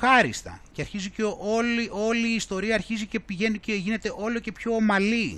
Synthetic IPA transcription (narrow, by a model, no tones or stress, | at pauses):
xɐɾḭst̪ɐ̰ceɐɾçiziceʔo̞liʔo̞liːst̪o̞ɾiɐːɾçizice̞piʝe̞nuceʝine̞t̪e̞ʔo̞lo̞ce̞pço̞ːmɐli